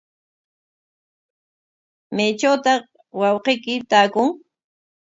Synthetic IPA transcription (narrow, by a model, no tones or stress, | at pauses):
majt͡ʃawt̪ɑχ | wɑwqejkɪt̪aːkʊŋ